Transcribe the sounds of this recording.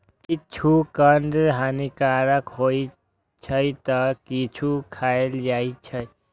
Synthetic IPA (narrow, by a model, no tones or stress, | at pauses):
kit͡ʃʰukənd̪ɦanikaɾəkɦoj | t͡ʃʰəjt̪əkit͡ʃʰukʰaeld͡ʒajt͡ʃʰəj